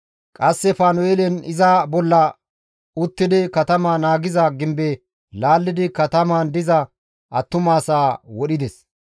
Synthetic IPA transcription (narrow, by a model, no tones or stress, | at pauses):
kʼɐsːɛfaːnɔeːlɛnɪzabɔlːɐ | ʊt̪ːɪd̪ɪkɐt̪ɐmanaːɡɪzɐɡɪmbɛ | laːlːɪd̪ɪkɐt̪ɐmaːnd̪ɪzɐ | ʔɐ̰t̪ːʊmaːsaːwɔɗɪd̪ɛs